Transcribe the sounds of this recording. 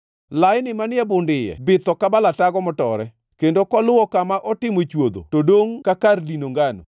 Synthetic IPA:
laɪnɪmanɪɛbʊndɪjɛ̰bɪt̪ɔkabalataɡɔmɔtɔɾɛ | kendokɔlʊwɔkamaʔɔtɪmot͡ʃwod̪o̰todoŋkakarlinoŋɡano̰

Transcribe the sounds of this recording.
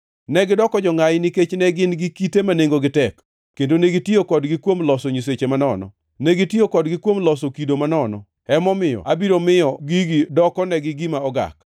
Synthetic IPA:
nɛɡɪdɔkɔd͡ʒɔŋajniket͡ʃnɛɡɪnɡɪkitemaneŋɡoɡɪtɛkː | endoneɡitiokɔdɡɪkwomlɔsɔɲiset͡ʃemanɔnɔ̰ | nɛɡitiokɔdɡɪkwomlɔsɔkidomanɔnɔ̰ | ɛmɔmɪjɔ̰abiɾomɪjɔɡiɡɪdɔkɔnɛɡɪɡimaɔɡa̰k̚

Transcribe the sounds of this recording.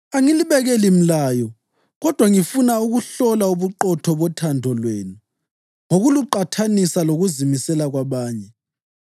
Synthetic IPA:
aŋiliβɛɣɛlim̩laːjɔ | ɣɔd̥ʱwaŋifunauɣuɬɔlauβuǃɔtʰɔβɔtʰandʱɔlweːnu | ŋoɣuluǃatʰanisaloɣuzimisɛlaɣwaβaːɲɛ

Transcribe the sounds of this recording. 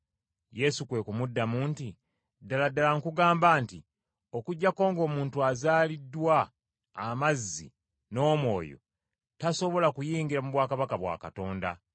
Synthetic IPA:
je̞sukwe̞kumudːamuːnti | daladːalaŋkuɡaːmbaːnti | okuɟːako̞ːŋɡo̞ːmuːntuazaːlidːwaː | mazːḭ | no̞ːmwo̞̰ːjo̞̰ | taso̞βo̞lakujiːŋɡiɾamuβwaːkaβakaβwa̰ːkato̞ːnda̰

